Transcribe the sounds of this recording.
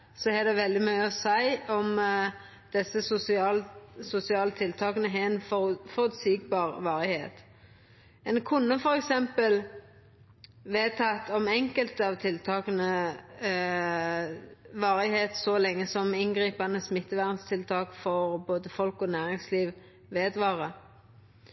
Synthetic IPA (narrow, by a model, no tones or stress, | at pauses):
sɔhɛd̪ɛʋɛld̪ɪmœʏəɔsæɪɔm | d̪̥ɛsəsʊsɪɑlsʊsɪɑːlət̪ʰɪlt̪ʰɑːkənəɦɛɛnfɔfɔɾʉt̪siːɡbɑːʁʋɑːɾɪheːt̪ | ɛnkʰʊnːəfɔɾɛksɛmpəl | ʋeːt̪ʰɑt̪ɔmɛŋkəlt̪əɑʋt̪ʰɪlt̪ʰɑːkənə | ʋɑːʁɪheːt̪sɔlɛŋːəsɔmɪnɡʁiːpɑnəsmɪt̪ːəʋæːʁənst̪ʰɪlt̪ʰɑːkfɔʁboːd̪əfɔlkɔnæːʁɪŋsliːʋ | ʋeːd̪ʋɑːʁə